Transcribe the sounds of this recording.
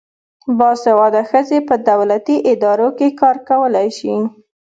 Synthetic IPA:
bɑsewɑd̪axəzepəd̪awlat̪iʔɪd̪ɑɾokekɑɾkawəlajʃi

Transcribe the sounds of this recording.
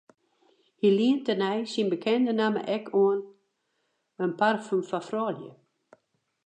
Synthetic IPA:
hiliəntənɛjsinbəkʰɛndənamə̰ʔɛkʰuən | ənparfymfafrɔːljə̰

